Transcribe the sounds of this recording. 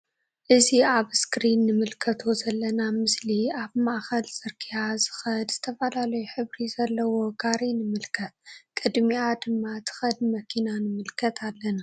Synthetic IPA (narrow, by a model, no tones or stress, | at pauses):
ʔɨziaβskɾinːɨmɨlkʰɐt̪ʰo̞zɐlːɐnamɨsliaβmaʔxɐlzʼɨɾkʰiazɨxɐd̪z̥ɨt̪ʰɐfɐlalɐjuħɨβɾizɐlːɐwo̞ɡaɾinɨmɨlkʰɐt̪̚kʼɨd̪miad̪ɨmːat̪ʰɨ̥xɐd̪mɐkʰinanɨmɨlkʰɐt̪ʰalːɐna